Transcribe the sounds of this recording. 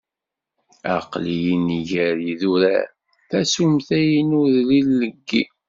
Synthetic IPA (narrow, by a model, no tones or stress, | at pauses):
æ̰qlijiniʝæɾiðuɾæ̰ | θæsumθæjinʊðlilːəɡːi